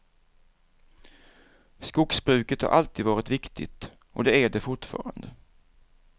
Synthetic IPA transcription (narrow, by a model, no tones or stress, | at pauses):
skʊksbɾʉ̟ːkət̪ha̰ɾʔalt̪ʰiːd̪vɑːɾɪt̪vɪkt̪ʰɪ̰t̪ | ʔɔd̪ɛæɖɛfʊʈfɑ̰ːɾa̰nd̪ə